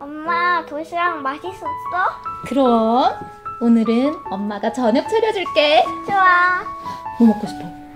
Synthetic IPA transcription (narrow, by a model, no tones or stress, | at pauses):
ʌmːatoɕʰiɾaŋmaɕʰis͈us͈ʌkɯɾʌ | onɯɾɯnʌmːaɡat͡ɕʌɲʌk̚t͡ɕʰʌɾjʌd͡ʑuɭk͈e̞t͡ɕoa | nomʌk͈oɕʰi̥p̚t͈ʌ